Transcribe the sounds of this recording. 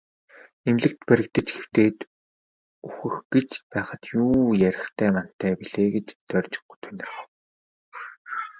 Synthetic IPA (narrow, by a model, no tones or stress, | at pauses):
emɮɘ̆k̚t̪pæɾʲɪ̆kt̪ə̆t͡ɕxe̥w̥t̪eːt̪ | uxɘ̆xɡ̥et͡ɕpæːχə̆t̪juːjæɾʲɪ̆χt̪ʰæːman̥t̪ʰːæːpiɮeːɡet͡ɕt̪œrʲt͡ɕɪ̥̆χu̥t̪ʰunɪ̆r